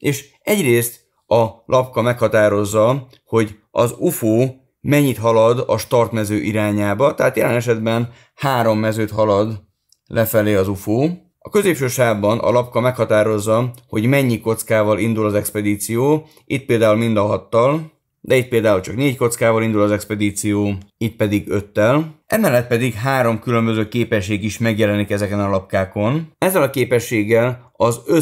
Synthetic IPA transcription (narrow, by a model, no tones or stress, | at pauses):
eːʃ | ɛɟreːst̪ | ɒlʔɒp̚kɒmɛkhɒt̪aːɾo̞zːɒ | ho̞ɟ | ɒ̰zufoː | mɛɲːit̪ɦɒlɒd̪ɒʃt̪ɒrt̪mɛzøːʔiɾaːɲaːbɒt̪ɛɦaːt̪jɛlɛnɛʃɛd̪bɛn | haːɾo̞mːɛzøːt̪hɒlɒd̪ | lʔɛfɛleːɒzufoː | ɒkø̞zeːpʃøːʃaːbɒnʔɒ̰lɒp̚kɒmɛkhɒt̪aːɾo̞zːɒho̞ɟmɛɲːiko̞t̪skaːvɒlind̪ulɒzɛkspɛd̪iːt̪sijoː | it̪̚peːld̪aːulmind̪ɒɦɒt̪ːɒl | d̪ɛit̪̚peːld̪aːult͡ʃɒkneːcko̞t̪skaːvɒlind̪ulɒzɛkspɛd̪iːt̪sijoːit̪̚pɛd̪iɡø̞t̪ːɛlʔɛmɛlːɛt̪̚pɛd̪iɡɦaːɾo̞mkylø̞mbøzøːkeːpɛʃːeːɡiʃmɛɡjɛlɛnikɛzɛkɛnɒlɒp̚kaːko̞nɛzːɛlɒkeːpɛʃːeːɡːɛl | ɒzø